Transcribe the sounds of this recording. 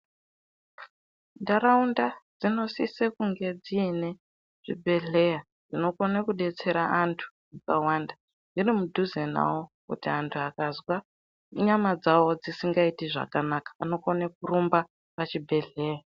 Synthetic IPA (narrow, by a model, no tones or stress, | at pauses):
ndaɾaundad͡zino̞sisekuŋɡe̞d͡ziːne | ʐ̥ḭbʱe̞ɮe̞ja | d͡zino̞konakuɗe̞t͡se̞ɾaantʰu̥ | akawanda | d͡zirimudʱuzena̰wokṵtiantʰuakazwa | ɲamad͡zawo̞d͡zisiŋɡaitiʐa̰kanakḁano̞konekurumba | pat͡ʃibʱe̞ɮe̞ːja